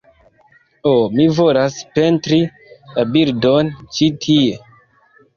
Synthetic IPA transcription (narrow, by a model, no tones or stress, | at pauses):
omivo̞laspe̞ntɾi | labildo̞nt͡ʃitʰie̞